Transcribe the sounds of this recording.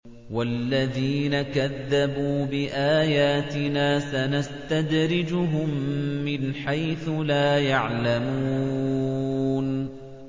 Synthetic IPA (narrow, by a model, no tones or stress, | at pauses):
walːaðiːnakaðːabuːbɪʔaːjaːt̪ɪnaːsanast̪ad̪ɾɪd͡ʒʊɦʊmːɪnħajθʊlaːjaʕlamuuː | n